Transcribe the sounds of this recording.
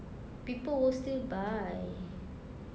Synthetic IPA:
pipəlwəstilbaj

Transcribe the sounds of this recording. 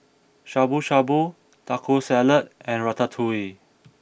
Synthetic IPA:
ʃaboʃabo | takʰosɛlət̚ɛ̃nɹatatʰui

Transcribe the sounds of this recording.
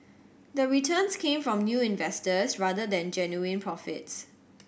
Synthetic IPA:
d̪əɹitʰə̃nskʰẽmfɹɔ̃mnjuːɪ̃nvɛstəsɹadədɛ̃nd͡ʒɛnjuɪ̃npʰɹɔfɪ̰ts

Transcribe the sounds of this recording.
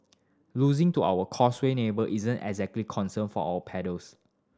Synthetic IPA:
luzĩŋtua̰wəkʰɔswenebəlʔizə̃nɛ̰ɡzɛk̚tlikʰɔ̃nsə̃nfɔawəpʰɛdəls

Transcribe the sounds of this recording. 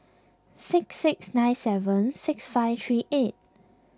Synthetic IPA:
sɪksɪksnãɪ̃nsɛvə̃nsɪksfaɪvtʰɹiːʔet̚

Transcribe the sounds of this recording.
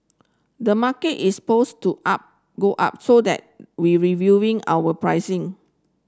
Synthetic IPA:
dəmaketispostuʔap̚ | ɡoʔa̰p̚sodɛ̰t̚wiɹivjuĩŋa̰wəpɹaɪsɪ̃ŋ

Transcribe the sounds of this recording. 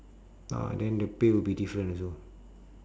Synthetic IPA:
a̰dɛ̃ndəpewilbidifɹə̃nso

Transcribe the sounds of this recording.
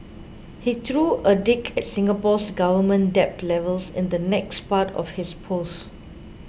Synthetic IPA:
hitɹuʔədɪkʰɛt̚sɪ̃ŋɡəpɔsɡavəmə̃ndɛp̚lɛvəlsɪ̰̃nd̪ənɛkspatʰɔ̰fhɪspʰos

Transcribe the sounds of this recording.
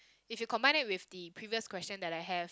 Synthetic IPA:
ifjukɔ̃mbãɪ̃nɪt̚wɪfdipʰɹiviəskwɛst͡ʃə̃ndɛtajɦɛv

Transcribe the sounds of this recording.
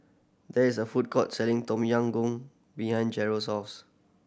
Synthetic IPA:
dɛisəfut̚kʰɔt̚sɛlɪ̃ŋtɔ̃mjãŋɡũŋ | bihãj̃nd͡ʒɛɹosɔfs

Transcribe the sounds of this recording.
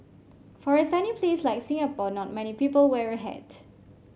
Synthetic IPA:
fɔɹəstɛ̃ndĩŋpʰlislaɪksĩŋəpɔnɔt̚mɛnipipəlwɛɹəɦɛ̰d̥

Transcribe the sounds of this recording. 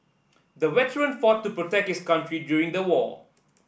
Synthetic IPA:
d̪əwɛtəɹə̃nfɔːtːupɹotɛk̚thɪskʌ̃ntɹiɖjuːɾĩŋd̪əwɔ̰ː

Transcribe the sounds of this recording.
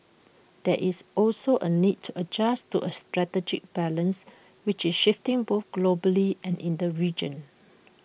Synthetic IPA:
d̥ɛʔisɔlsoʔə̰nid̚tʰuʔəd͡ʒastuʔəstɹɛtɛd͡ʒɪ̰k̚b̥ɛlə̃ns | wɪt͡ʃɪsʃɪftɪ̃ŋboθɡ̥lobəliɛ̃nɪ̃ndəɹid͡ʒə̰̃n

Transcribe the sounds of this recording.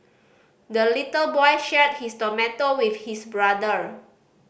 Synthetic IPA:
dəlitəlbɔjʃɛd̚histɔmɛtowifhisbɹadəɹ

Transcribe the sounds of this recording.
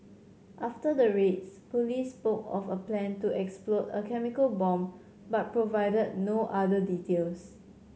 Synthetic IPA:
ʔaftədəɹetspolisːpokɔ̰fəplɛ̃ntuɛksplɔtə̰kʰɛmikəlbɔ̃m | bat̚pɹovaɪdəd̚noʔadəditels

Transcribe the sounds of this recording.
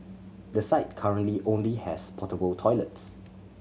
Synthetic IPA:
dəsaɪt̚kʰaɹə̃nliʔõnlihɛspʰɔtəbəltʰɔɪləts

